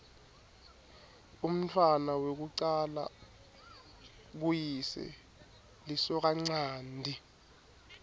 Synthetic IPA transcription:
um̩tʰwanawek̬uǀala̰ | k̬ujisɛ̰ | lisɔk̬aŋ͡ǀaːndʱi

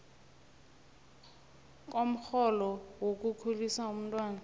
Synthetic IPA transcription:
k̬ʼom̩xɔlɔwok̬ʼukʰulisaum̩ntʼwaːna

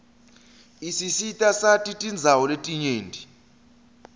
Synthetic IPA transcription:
isisitʼasatʼitʼind͡zʱawɔletʼiɲeːndʱi

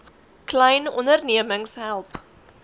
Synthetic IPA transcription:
klɛjnɔndərniəməŋsɦælˠp

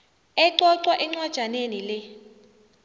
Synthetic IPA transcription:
ɛǀɔǀwaʔɛŋ͡ǀwad̥ʒ̥ʱanenilɛ

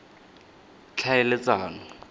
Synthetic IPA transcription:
t͡ɬʰaɪlɪt͡saːŋɔ

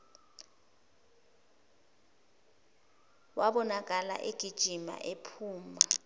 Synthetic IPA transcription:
waɓɔnak̬ʼala̰ʔeɡ̥ʱid̥ʒ̥ʱima̰ʔepʰuːma

